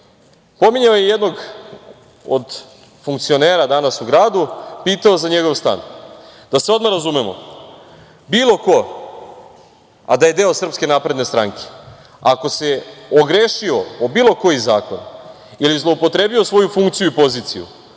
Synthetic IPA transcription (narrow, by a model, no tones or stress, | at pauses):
po̞miɲaojejed̪no̞ɡ | od̪ | fuŋkt̪sio̞neːɾad̪anasuɡɾaːd̪upiːt̪aozaɲeɡo̞ʋst̪a̰ːnd̪̥aseo̞d̪maɾazumemo̰ | biːlˠo̞ko̞ | a̰d̪aje̞d̪e̞o̞sr̩pske̞napɾed̪nest̪ɾaŋke̥ | ako̞se̞oɡɾeːʃio̞obiːlˠo̞ko̞jizaːko̰n | ilizlˠo̞upo̞t̪ɾe̞ːbiosʋo̞jufuŋk̚t̪sijuipo̞ziːt̪sijṵ